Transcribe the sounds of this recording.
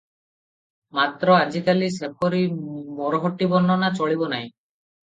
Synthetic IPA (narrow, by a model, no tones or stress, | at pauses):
mat̪ɾɔad͡ʒikalisepʰoɾimɔɾɔɦɔʈːibɔnːɔnat͡ʃoɭibɔnaj̃